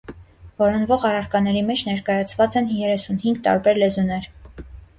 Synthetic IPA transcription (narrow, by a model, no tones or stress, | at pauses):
vɔɾɔnvɔʁɑrɑɾkɑnɛɾimɛt͡ʃʰnɛɾkɑjɑt͡sʰvɑt͡sɛnjɛɾɛsunhiŋɡt̪ɑ̰ɾbɛɾlɛzunɛɾ